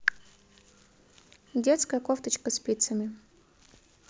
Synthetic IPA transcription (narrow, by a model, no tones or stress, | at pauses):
dʲet̪skəjəkoft̪ət͡ɕkəsʲpʲit̪səmʲɪ